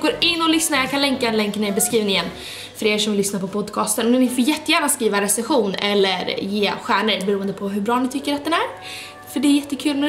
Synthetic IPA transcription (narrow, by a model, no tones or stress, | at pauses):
ɡoːɾɪnːɔlʏsnaɾjɑkʰanlɛŋkad̪ɛnlɛŋknɛbɛskɾiːvnɪjɛnː | fœɾeːɾʂɔmlʏsnaɾpʰɔpʰɔd̪kʰɑːst̪ənɔmɛnɪfɔɾjɛt̪ːəjæːnaskɾiːvaɾɛsɛnɧuːnɛlːəɾjeːɧæːɳəɾbɛɾuːənd̪əpʰɔɦɵ̟bɾɑːnɪt̪ʰʏkːəɾat̪d̪ɛnæɾ | fœɖɛːɾjɛt̪ːəkʰʉ̟ːlmɛ